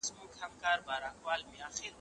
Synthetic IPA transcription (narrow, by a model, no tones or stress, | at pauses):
smukʰamkʼaɾbaɾaŋkʼwalmiaχil